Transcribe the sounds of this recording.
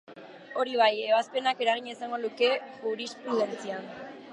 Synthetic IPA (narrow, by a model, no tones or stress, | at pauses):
o̞ɾiβ̞aje̞β̞aspe̞nake̞ɾaɣ̞iɲasaŋɡo̞luke̞uɾispɾuðe̞nt͡sian